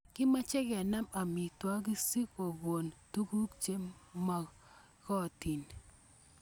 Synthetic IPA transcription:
kɪ˦ma˦t͡ʃɛ˦ɡɛ˨na˦ma˨mi˨twa˦ɡi˦si˦ko˨ɡwo˨ntu˦ku˦kt͡ʃe˦mma˨ | kɔ˦˨ti˨n

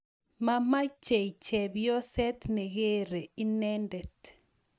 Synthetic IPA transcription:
ma˦ma˦t͡ʃe˨it͡ʃɛ˨bjɔ˦sɛ˦t̪nɛ˨ɣe˦ɾe˨i˦nɛ˦ndɛ˨t

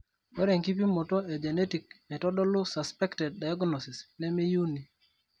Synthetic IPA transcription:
o˦ɾe˨ŋki˦p̬i˦mɔ˨tɔ˦e˨d͡ʒɛ˨nɛ˦ti˨kmɛ˨tɔ˦dɔ˦lʊ˦sa˨spɛ˦ktɛ˨d̚ːa˨jɔ˦ɡnɔ˨si˨snɛ˦me˦ju˦ni˨

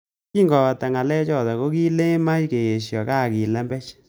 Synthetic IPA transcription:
ki˦ŋɡɔ˨a˨ta˨ŋa˨lɛ˦t͡ʃɔ˦˨ta˨ko˦ki˦le˦ma˦jke˨ɣe˨ʃjɔ˨ka˦˨ki˨lɛ˦mbɛ˦t͡ʃ

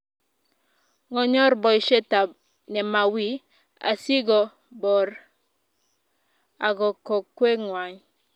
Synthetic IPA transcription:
ŋɔ˦ɲɔ˦ɾbɔ˨i˨ʃe˦ta˨ | nɛ˨ma˨wi˦ | a̰˨si˦ɡɔ˨ | bɔ˨ɾ | a˨ɡɔ˨kɔ˨kwe˦ŋwa˨ɲ

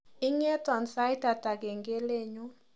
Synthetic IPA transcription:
ɪ˦ŋɛ˦tɔ˨nsa˦jta˨ta˨ɡe˨ŋɡe˦le˦ɲo˦

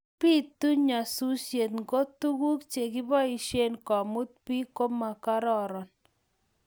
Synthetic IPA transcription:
pi˦t̪u˦ɲa˨su˦sje˨t̪ŋɡo˦t̪u˦ku˦kt͡ʃe˨kɪ˦bɔ˦i˨ʃe˦nkɔ˨mu˦t̪̚pi˦ko˦ma˨ka˦ɾɔ˦˨ɾɔ˨n

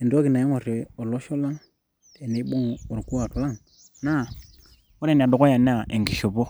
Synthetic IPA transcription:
e˨ndo˦ki˨na˨ji˦ŋo˨ɾe˨o˨lo˦ʃo˦la˦ŋ | e˨ne˨˦ɓo˦ŋo˨ɾku˦a˨tu˨la˦˨ŋ | na˦˨ | o˦ɾe˨n˨a˨do˨ko˦ja˨n˦a˦˨ʔḛ˨ŋɡi˨ʃo˨bo˦

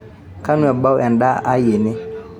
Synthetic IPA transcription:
kʰa˦nũ˦ɛ˨ba˦wʔɛ̃˨n˨da˦ʔa˦je˨nɪ̃˦

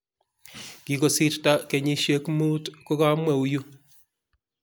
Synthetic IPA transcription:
ki˨ko˨si˦tta˦ke˨ɲi˦ʃje˦kmu˦tko˦ka˦mwɛ˨u˨ju˦

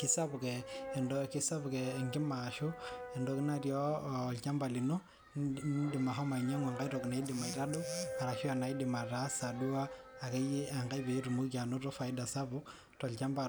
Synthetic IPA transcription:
ki˦sa˦bu˨kɛː˨ndɔ˦ki˦sa˦bu˨ke˨ŋɡi˦ma˨ʃu˦ɛ˨ndɔ˦ki˦na˦ɾjɔ˦˨lt͡ʃa˦mba˨li˨no˦ | di˨ma˨ɦɔ˦ma˨i˨ɲa˦ŋa˨ŋɡa˦jɾɔ˨kna˨i˦di˨ma˨i˨ɾa˦du˦a˨ɾa˨ʃi˦a˨na˨i˦di˨ma˨ɾa˦sa˨du˦aː˦˨ke˦ji˦a˨ŋɡa˦be˨˦ɾu˨mu˦ka˨no˦ɾɔ˦fa˨i˦da˨sa˦bu˦ | tɔ˨lt͡ʃa˦mba˨

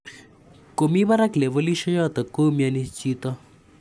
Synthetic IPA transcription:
ko˨miβaɾakle˨vo˦liʃɔ˦jɔ˦t̪a˨ko˦mianit͡ʃit̪ɔ˦

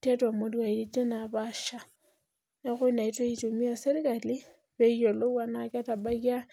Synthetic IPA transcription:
ta˦ta˨mo˦lwa˨ili˦d͡ʒe˦na˨βaʃa˨ | na˦xu˦ina˨i˦twe˦it͡ʃu˨mi˦ja˨se˦ɾi˦ka˨li˦ | βe˦jo˨lo˦wa˦na˨kja˦ta˨ba˦ɣja˦

